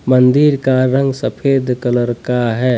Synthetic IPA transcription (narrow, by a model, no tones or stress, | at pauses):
mənd̪iɾkaɾə̃ŋɡsəpʰeːd̪kələɾkaɦɛː